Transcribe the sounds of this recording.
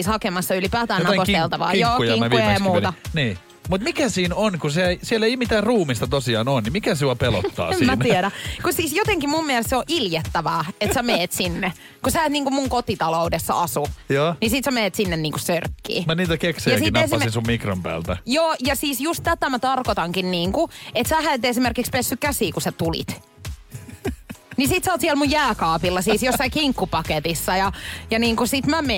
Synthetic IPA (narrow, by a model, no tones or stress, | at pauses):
ishɑkemɑsːɑylipæːt̪æːnɑeoselt̪ɑʋɑ̰ːjjoːujɑŋkæuemuet̪ɑniː | mut̪mikæsiːnonkuseeisieleimit̪æːrruːmist̪ɑt̪osiɑːnoːnnimikæsuɑpelo̰t̪ːɑ̰ːemsimænːiɛɾækusiːsjot̪eŋkimummielest̪seoʔiljet̪ːæʋæːet̪sæmeːt̪sinːe | kusæet̪niːŋkummuŋkot̪it̪ɑloudesːɑ̰ɑsujoːnisit̪sæmeːt̪sinːenniːŋkusørkːḭːmæniːt̪ækeksijɑsitnessinsummikro̰mpæ̰ːlt̪æjoːjɑsiːsjust̪t̪æt̪æmæt̪ɑrkot̪ɑŋkinniːŋkuet̪sæhæet̪esimerkikspesːykkæsiːkusæt̪ulḭt̪ | nisit̪sæot̪sielmujjæːkɑːpilːɑsiːsjosːɑikiŋkːupɑket̪isːɑjɑjɑniːŋkusit̪mæme